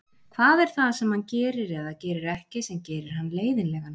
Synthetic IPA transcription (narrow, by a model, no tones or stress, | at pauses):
kʰθaðɛɾ̥θaðsɛmhancɛːɾɪɾɛðacɛːɾɪɾɛhcɪsɛmcɛːɾɪɾ̥hanːleːjðɪnlɛːɣan